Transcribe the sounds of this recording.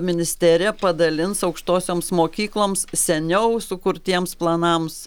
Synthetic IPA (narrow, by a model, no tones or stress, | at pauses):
mʲɪnʲɪsʲt̪ʲæːɾʲɪjɛpɐd̪ɐlʲɪnsɐʊkʃt̪oːsʲoːmsmoːkʲiːklˠoːmssʲɛnʲɛʊsʊkʊɾt̪ʲiɛmsplˠɐnɐms